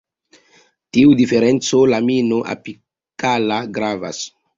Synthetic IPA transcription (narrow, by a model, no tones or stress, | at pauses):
t̪iud̪ifeɾent͡ssolaminoʔa̰pi | kalaɡɾava̰s